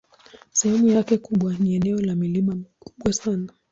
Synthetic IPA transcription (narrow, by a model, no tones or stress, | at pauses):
sɛhɛmujakɛkuɓwaniɛnɛɔlamilimamiku̥ɓwasana